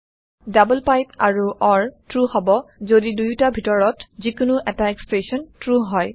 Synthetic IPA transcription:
dabulpajpaɹuʔɔɹtɹuhɔbɔzodidujtabʱitɔɹɔtzikʊnʊʔɛtaɛkspɹesɔntɹuɦɔj

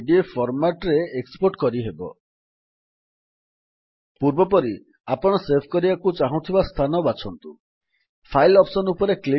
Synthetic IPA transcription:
ɖiepʰɔɾmaʈɾeekspoɾʈkɔɾiɦebɔ̰ | puɾbɔpɔɾi | apɔɽ̃ɔsepʰkɔɾibakut͡ʃaɦũt̪ʰibast̪ʰanɔbat͡ʃʰɔnt̪u | pʰajlɔpsɔnupɔɾekli

